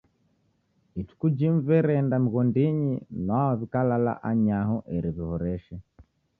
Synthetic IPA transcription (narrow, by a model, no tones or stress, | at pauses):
itu̥kud͡ʒiɱvɛɾɛndam̩ɣɔndiɲinaaβikalala̰ʔaɲaɦɔʔɛɾiβihɔɾɛʃɛ